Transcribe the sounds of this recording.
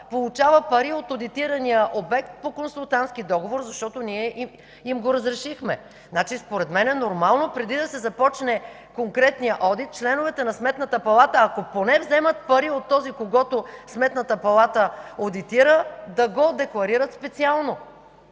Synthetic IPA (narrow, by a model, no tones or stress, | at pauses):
polˠut͡ʃavəpɐɾiot̪od̪it̪iɾɐnijəʔobɛkt̪̚pokonsulˠt̪ant̪skid̪ɔɡovoɾzɐʃt̪ɔt̪oniɛʔi | imɡoɾɐzɾɛʃixmɛ | nat͡ʃispoɾɛd̪mɛnɛnoɾmalˠnopɾɛd̪id̪ɐsɛzɐpɔt͡ʃnɛ | koŋkɾɛt̪nijəʔɔd̪it̪̚t͡ʃlɛnovɛt̪ɛnɐsmɛt̪nət̪əpɐlˠat̪əːkoponɛvzɛmət̪pɐɾiot̪ːɔzikoɡɔt̪osmɛt̪nət̪əpɐlˠat̪əod̪it̪iɾəd̪ɐɡod̪ɛklˠɐɾiɾət̪spɛt̪sialˠno